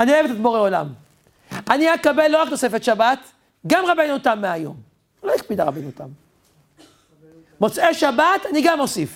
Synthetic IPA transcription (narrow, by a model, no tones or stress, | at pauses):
aniajevet̪lit̪boʁeola̰m | aniakabelːoʁakno̞sefet̪ʃabat̪ | ɡamʁabenutamːeajo̞̰m | loikpid̪aʁa̰bejnut̪a̰m | mo̞t͡seʃabat̪aniɡamo̞sif